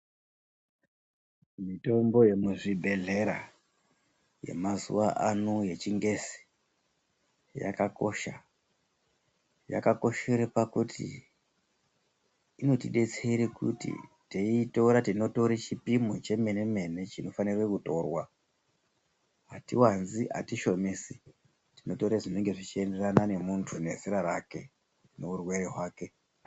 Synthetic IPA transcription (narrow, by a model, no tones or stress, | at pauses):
mito̞mbo̞je̞muʐibʱe̞ɮe̞ɾa̰ | je̞̰mazṵʋaʔanoje̞t͡ʃiŋɡe̞si̥ | ja̰kako̞ʃa̰ | ja̰kako̞ʃe̞ɾepakutḭ | no̞tiɗe̞t͡seiɾekṵtḭ | teito̞ɾatino̞to̞ɾet͡ʃipimot͡ʃe̞me̞ne̞me̞ne̞t͡ʃino̞fanirwekuto̞ːrwa | ɦatiwanzia̰tiʃo̞mesi | tino̞to̞ɾeʐine̞ŋɡe̞ʐit͡ʃie̞nde̞ranane̞muntʰune̞ziɾaɾake̞ | ne̞urwe̞ɾeɦwaːke̞